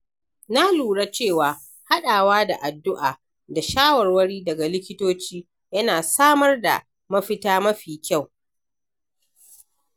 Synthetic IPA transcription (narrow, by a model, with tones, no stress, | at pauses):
na˦luː˨ɽa˦t͡ʃeː˦˨waː˨ | ha˦ɗaː˨waː˦da˨ʔa˨dːʊ˦ʔaː˨ | da˨ʃaː˦wɐ˨rwɐ˦ɽiː˦dɐ˨ɡa˨lɪ˦kʲɪ˦toː˦t͡ʃiː˦ | jɐ˦naː˨saː˦mɐ˦rda̰˨ | mɐ˦ɸɪ˦taː˦mɐ˦ɸiː˨kʲa˦˨w